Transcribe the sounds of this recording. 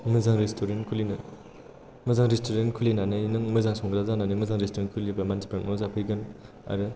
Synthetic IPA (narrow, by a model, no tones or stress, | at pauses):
mɯzaŋɾestʰoɾenkʰulinɯ | mɯzaŋɾistʰoɾenkʰulinanɯjnɯŋmɯzaŋsɔŋɡɯɾazananɯjmɯzaŋɾestoɾenkʰulibamansʰi̥pɾanmɔzapʰɯjɡɯn | a̰ɾɯ